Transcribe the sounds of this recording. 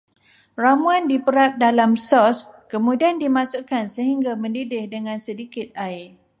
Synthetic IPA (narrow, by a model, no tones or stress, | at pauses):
ramũandipəɾat̪̚dalamsɔskəmũdiandimãsʊʔkansəɦiŋɡamə̃ndidɪhdəŋãnsədikɪt̪̚aɪ